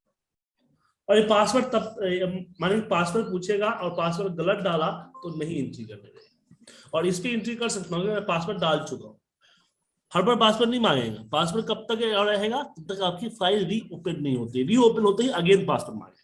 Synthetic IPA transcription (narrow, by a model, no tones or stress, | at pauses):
ɔːɾjepaːspəɾʈt̪ɐbmaːnẽpaːspəɾʈ̚puːt͡ʃʰeːɡaːʔɔːɾpaːspəɾʈ̚ɡɐləʈ̪̚ɖaːlat̪onɐɦĩɪ̃ɳʈɾikɐɾneːd͡ʒe | ɔːɾɪskiɪ̃ɳʈɾikɐɾsɐkt̪ʰːkemɛ̃paːspəɾʈ̚ɖaːlt͡ʃʊka̰ɦũ | hɐɾbəɽpaːspəɾʈnɐɦĩmãːŋɡḛːɡa̰ːpaːspəɾʈ̚kɐb̚t̪ɐkɔɾɐɦeːɡaːt̪ɐb̚t̪ɐkaːp̚kifʰaːɪlbʱioːpənːɐɦĩɦoːt̪iɛʋʱioːpənɦoːt̪eɦiɐɡẽːnt̪̚paːspəɾʈmã̰ːŋɡeɡ